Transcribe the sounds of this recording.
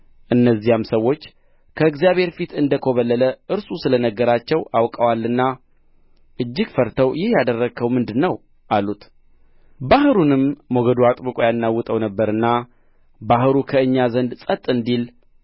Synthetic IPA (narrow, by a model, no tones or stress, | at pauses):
ʔɨnːəzːihamsəwːo̞t͡ʃː | kʰəɨɡzijaβhe̞ɾfit̪ɨnd̪əkʰo̞βəlːələʔɨɾsʼusɨlənəɡːəɾat͡ʃːɛwawkʼawalːɨnːa | ʔɨd͡ʒːɪɡfəɾt̪ʰəwjɪhjad̪ərːəɡʰəwmɨnd̪ɨnːəw | ʔalut̪ | bahɨɾunɨmːoɡəd̪uat̪ʼβɨkʼojanːawːɨt̪ʼəwnəbːəɾɨnːa | baɦɨɾukʰəɨɲːazənd̪sʼət̪ʼːɨnd̪il